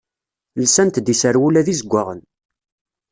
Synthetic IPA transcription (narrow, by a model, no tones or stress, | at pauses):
lsænt̪d̪isəɾwulæðizəɡʷːaʁən